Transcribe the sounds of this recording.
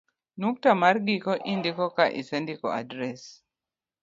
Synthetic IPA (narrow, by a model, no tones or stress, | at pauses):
nuk̚tamaɾɡikɔʔindikɔkaʔḭsɛndikɔ̰a̰dɾɛs